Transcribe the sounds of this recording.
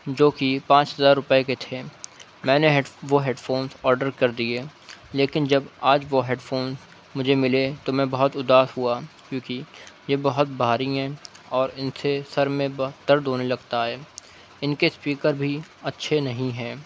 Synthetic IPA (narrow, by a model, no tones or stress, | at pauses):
d͡ʒoːkipãːt͡ʃɦɐzaːɾːʊpəeket̪ʰeː | mɛ̃ːneɦʋoɦeːɖfoːnsɔːɾɖəɾkɐɾd̪ieleːkɪnd͡ʒɐbaːd͡ʒʋoɦeːɖfoːns | mʊd͡ʒʱemɪlet̪omɛ̃bɐɦʊt̪ʊd̪aːsɦuakjõːkijebɐɦʊt̪̚bʱaːɾiɦɛ̃ːɔːɾɪnsesɐɾmẽbɐɦtd̪ɐɾd̪ʱoːnelɐɡt̪aɦɛː | ɪnkespiːkəɾbʱiɐtːʃʰenɐɦĩɦɛ̃ː